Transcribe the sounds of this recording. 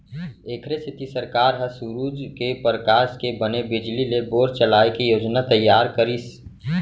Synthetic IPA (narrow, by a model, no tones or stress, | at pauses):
eːkʰɾest̪ʰɪt̪ʰisəɾkaːɾɦəsuɾuːd͡ʒkepɾəkaːskebənebɪd͡ʒlileboːɾt͡ʃəlaːekijoːd͡ʒnat̪ɐjːaːɾkəɾis